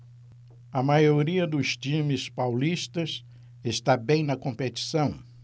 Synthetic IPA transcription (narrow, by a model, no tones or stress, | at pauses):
ɐmajoɾiɐd̪ʊst͡ʃĩmɪspawlist̪ɐs | est̪abẽj̃nɐkõmpet̪i̥sɐ̃w̃